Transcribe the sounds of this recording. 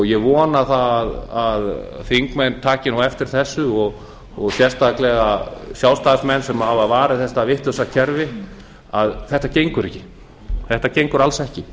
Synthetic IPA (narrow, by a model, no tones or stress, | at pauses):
jɛɣvɔːnaθaaðaðθiŋkmɛnt̪ʰaːcɪnuwɛft̪ɪɾ̥θɛsːʏɔɣ | ɔɣsjɛrst̪aklɛɣasjawst̪aðsmɛnːsɛmavavaːɾɪθɛht̪avɪht̪lʏsacʰɛɾvɪ | aðθɛht̪ːacejŋkʏɾɛhcːɪ | θɛht̪acejŋkʏɾalsɛhcɪ